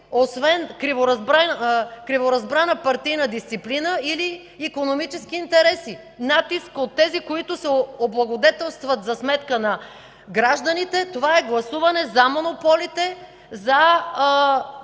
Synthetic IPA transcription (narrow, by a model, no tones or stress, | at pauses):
osvɛnkɾivoɾɐzbɾakɾivoɾɐzbɾanəpɐɾt̪ijnɐd̪ist̪siplinəiliː | konomit͡ʃɛsk̟iːnt̪ɛɾɛsi | nat̪iskot̪ːɛzikoit̪ʊsɛoblˠɐɡod̪ɛt̪ɛlˠst̪vɐt̪zɐsmɛt̪kənɐ | ɡɾaʒd̪ɐnit̪ɛt̪ovaɛɡlˠɐsuvɐnɛzɐmonopɔlit̪ɛ | zɐ